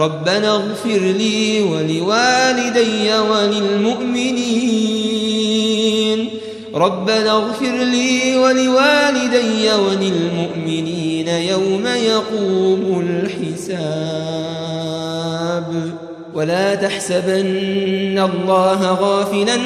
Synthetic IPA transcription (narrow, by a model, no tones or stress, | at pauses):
ɾˤɑbːanaɣfɪɾliːwalɪwaːlɪd̪ajːawalɪlmʊʔmɪniː | n | ɾˤɑbːanaɣfɪɾliːwalɪwaːlɪd̪ajːawalɪlmʊʔmɪniːnajawmajɑquːmʊlħɪsa | b | walaːt̪aħsabʔanːalˤːɑːɦaɣaːfɪlan